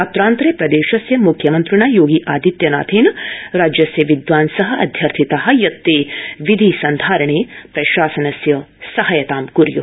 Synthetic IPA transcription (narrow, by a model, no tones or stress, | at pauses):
ɐt̪ːɾaːnt̪ɾɐjpɾɐd̪eːʃɐsjɐmukʰjɐmɐnt̪ɾiɳaːjoːɡiʔaːd̪it̪jɐna̰ːt̪ʰeːnɾaːd͡ʒjɐsjɐʋid̪ʋaːnsɐɦɐʔɐ̰d̪ʱjɐɾt̪ʰit̪aɦɐ̆jɐt̪ːeːʋid̪ʱisɐnd̪ʱaːɾɐɳ̃eːpɾɐʃaːsɐnɐsjɐsɐɦɐjɐt̪aːmkuɾjṵ